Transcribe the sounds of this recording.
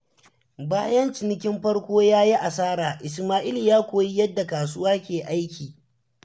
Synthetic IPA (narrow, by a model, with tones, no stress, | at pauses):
baː˦jɐ˦nt͡ʃɪ˨nɪ˦kʲɪ˦mɸɐ˦ɽkʷoː˦jaː˦ji˦ʔa˨saː˦ɾaː˨ʔɪ˨smaː˦ʔɪ˦li˨jaː˦kʷoː˨ji˦jɐ˦dːa˨kaː˨s̬ʊ˦waː˦kʲeː˨ʔa˦jkʲiː˨